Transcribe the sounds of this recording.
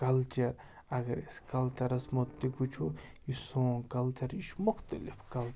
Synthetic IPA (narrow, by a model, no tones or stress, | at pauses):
kɐlt͡ʃɐɾ | ɐɡɐɾeskɐlt͡ʃɐɾɐsmot̪ːiput͡ʃʰo | jisõːkɐlt͡ʃɐɾiʃmʊxt̪ɐlifkɐlt͡ʃ